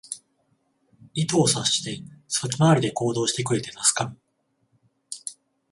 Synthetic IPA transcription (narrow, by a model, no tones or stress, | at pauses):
it̪oːsaɕi̥t̪e̞satimaːɾʲid̪e̞ko̞ːd̪o̞ːɕi̥t̪e̞kɯ̟ɾe̞t̪e̞nasɨ̥ka